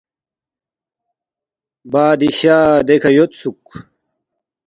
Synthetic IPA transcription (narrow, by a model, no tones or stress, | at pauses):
baːd̪iɕaːd̪ekʰɐjot̪suk